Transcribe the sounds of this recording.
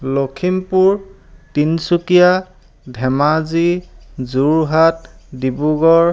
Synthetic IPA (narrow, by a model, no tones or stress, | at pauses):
lokʰimpuɹ | tinsukija | dʱɛmazizuɹɦat̚dibuɡɔɹ